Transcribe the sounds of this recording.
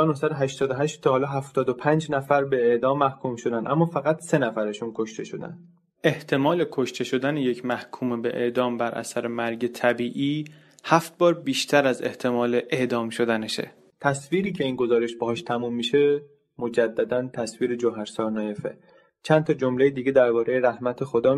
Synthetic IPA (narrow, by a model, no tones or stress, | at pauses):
ɒːnohsæd̪oɦæʃt̪ɒːd̪oɦæʃt̪t̪ʰːɒhɒːlɒːɦæft̪ɒːd̪opʰænd͡ʒnæfæɾbe̞eʔd̪ɒːmːæhkʰumʃod̪ænʔæmːɒːfæɣæt̪se̞næfæɾeʃunkʰoʃt̪e̞ʃo̞d̪æ̰nd̪ | ʔe̞ht̪ʰe̞mɒːle̞kʰo̞ʃt̪ʰeʃo̞d̪ænejecʰmæhkʰuːmebe̞ʔḛʔd̪ɒːmbæɾʔæ̰sæɾemæɾɟet̪ʰæbiːʔiː | hæft̪̚bɒːɾbiːʃt̪ʰæɾæze̞ht̪ʰe̞mɒːle̞ʔeʔd̪ɒːmʃo̞d̪æneʃḛ | t̪ʰæsviːɾiːcʰe̞iːnɡo̞zɒːɾeʃbɒhɒːʃt̪ʰæmuːmːiːʃe | mo̞d͡ʒæd̪ːæd̪ænt̪ʰæsviːɾed͡ʒoɦæɾsɒːɾnɒːjefḛ | t͡ʃʰænt̪ʰɒːd͡ʒo̞mle̞jed̪iːɟe̞d̪æɾbɒːɾejeɾæhmæt̪ʰe̞xod̪ɒː